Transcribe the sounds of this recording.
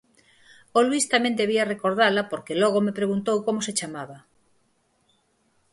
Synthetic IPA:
olwist̪amẽnd̪eβ̞iarekoɾð̞alapoɾkelɔɣomepɾeɣunt̪owkomoset͡ʃamaβa

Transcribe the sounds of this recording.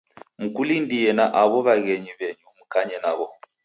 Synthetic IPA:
mukulindiɛnaʔaβɔβaɣɛɲiβɛɲumukaɲɛnaβɔ

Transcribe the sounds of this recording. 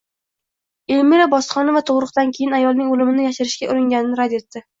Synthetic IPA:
elmiɾabɒsχɒnavat̪ʰoʁɾɨq̚t̪ankʲʰejɪnajɒlˠnɪŋolɪmɪnɪjaʃɪɾɪʃkʲaʔʊɾɪŋɡʲanɪnɪɾad̪e̞t̪ːɪ

